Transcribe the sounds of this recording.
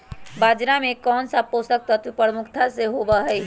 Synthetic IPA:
bad͡ʒɾamekɔnsəpost̪ək̚t̪ət̪wpəɾmʊkʰt̪ʰaseɦobəɦəɪ

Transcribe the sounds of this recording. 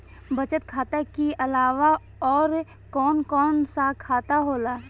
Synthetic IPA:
bət͡ʃət̪kʰaːt̪akiʔɐlaːʋa | ɔːɾ | kɔːnkɔːnsakʰaːt̪aɦoːlaː

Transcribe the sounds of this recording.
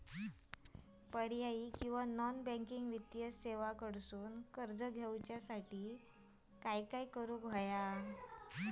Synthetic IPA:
pəɾjaiːkĩw̃ʋanɔnbɛ̃ŋkiŋɡʋit̪jəseʋakəɽsuːnkəɾd͡zəɡʱewt͡ɕjasaʈiː | kajkaikəɾuːkʋʱaja

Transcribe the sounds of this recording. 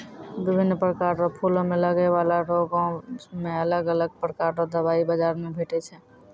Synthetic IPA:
bɪbʱinːpɾəkaɾɔpʰulõmeləɡɛbalaɾoɡõmeələɡələɡ̚pɾəkaɾɾɔd̪əbaibəd͡ʒaɾmebʱeʈɛt͡ʃʰɛ

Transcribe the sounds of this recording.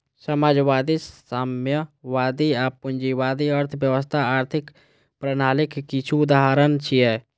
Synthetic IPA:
səmaːd͡ʒʋaːd̪isamjəʋaːd̪iapːʊnd͡ʒiwaːd̪iəɾt̪ʰbjəʋəst̪ʰaaːɾt̪ʰɪk | pɾənaːlɪkːit͡ʃʰuʊd̪aɦaɾənt͡ʃʰiɛː

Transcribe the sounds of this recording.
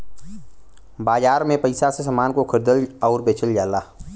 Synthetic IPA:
baːd͡ʒaːɾmẽpəɪsasesəmaːnkokʰəɾd̪əlɔːɾbeːt͡ʃəljaːlaː

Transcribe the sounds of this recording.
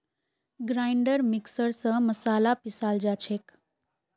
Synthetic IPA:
ɡɾajɳɖəɾmiksəɾsə̃məsalapisald͡ʒat͡ʃʰek

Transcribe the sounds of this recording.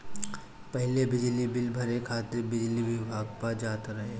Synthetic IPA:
pɐɦlebɪd͡ʒlibɪlbʱɐɾekʰaːt̪ɪɾbɪd͡ʒliʋɪbʱaːɡpad͡ʒaːt̪ɾɐɦe

